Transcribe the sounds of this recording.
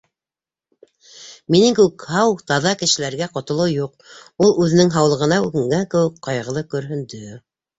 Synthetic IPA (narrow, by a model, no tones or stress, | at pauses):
minɘŋkʉɘkhɑwt̪ɑðɑkɘ̆ʃɘ̆læɾɡæqŏt̪ŏlˠɤwjuq | ulˠʉðɘ̆nɘŋɦɑwlˠɤ̆ʁɤ̆nɑʉɡɘ̆ŋɡæŋkɘ̆wɘkːɑjʁɤ̆lˠɤkɵ̆ɾɦɵ̆nd̪ɵ